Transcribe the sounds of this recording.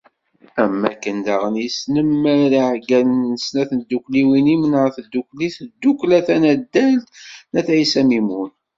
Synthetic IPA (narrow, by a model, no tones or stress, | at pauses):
æmːækːənd̪aʁənjəsnəmːæɾiʕɡælnəsnæθənd̪ːukliwinimənəʁθd̪ːukliθəd̪ːuklæθænæd̪ːælt̪næθʕisæmimun